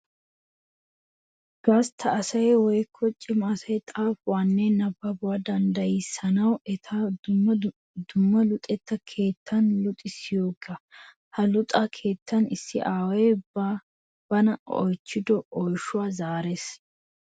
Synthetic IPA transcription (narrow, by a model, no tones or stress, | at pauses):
ɡ̥ɐst̪ʰɐːsɐjwɔjkʰːɔt͡ʃʼːɪmaːsɐjt̪ʼaːfwaːnːɛnɐbɐbʊwad̪ɐnd̪ɐjɪsːɐnɐwɛt̪ʰa | d̪̥ʊmːɐlʊt̪ʼːɛt̪ːɐkʰe̞ːt̪ʰːɐnlʊt̪ʼɪsɪjoːɡɐ | hɐlʊt̪ʼɐkʰe̞ːt̪ʰːɐnɪsːɪʔaːwɛba | b̥ɐnɐɔ̰jt͡ʃːɪd̪ɔʔɔjʃʊwaːzaːɾes